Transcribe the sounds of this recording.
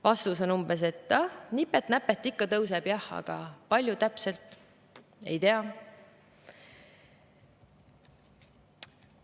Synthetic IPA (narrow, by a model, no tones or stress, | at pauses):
vɑst̪uso̞numbe̞se̞t̪ːɑhnipːet̪næpːˑet̪ːˑikːɑt̪ɤwseb̥jɑhːɑ̰ɡ̥ɑpɑlʲjut̪æpse̞lt̪ːˑ | e̞̰jt̪eɑ